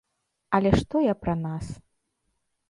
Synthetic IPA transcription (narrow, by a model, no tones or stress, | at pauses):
ɐlʲɛʂt̪ɔjapɾɐnas